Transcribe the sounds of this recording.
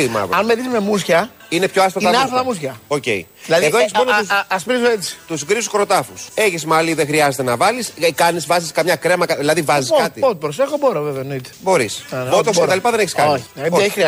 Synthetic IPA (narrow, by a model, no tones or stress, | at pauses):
imɐ̰ðɐnmeðizme̞musçɐ | ine̞pço̞ɐst̪ɐtiɐneɐfɐt̪ɐmusçɐoce̞̰i | ðilɐðeiðoeçismonousɐspɾizoet͡si̥t̪usɡɾisu̥koɾo̞t̪ɐfuse̞çismɐliðexɾiɐzet̪e̞nɐvɐliskɐnizvɐziskɐmɲɐkɾemɐkɐðilɐðivɐzisoɐt̪iot̪̚pɾose̞xoboɾɐveveonit̪e̥bo̞ɾisnot̪oset̪ɐlipɐðe̞neçiskɐoieçixɾiɐ